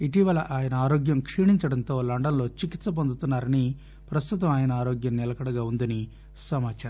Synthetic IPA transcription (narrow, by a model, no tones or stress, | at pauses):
iʈiʋɐlɐʔaːjɐnɐaːɾoːɡjɐmkʂiːɳiɲt͡ʃɐɽɐnt̪o̞ːlɐɳɖɐnlo̞ːt͡ʃikit̪sɐp̬ond̪ut̪unːaːɾɐni | pɾɐst̪ut̪ɐmaːjɐnɐaːɾoːɡjɐmnilɐkɐɽɐɡaːund̪ɐni | sɐmaːt͡ʃaɾɐ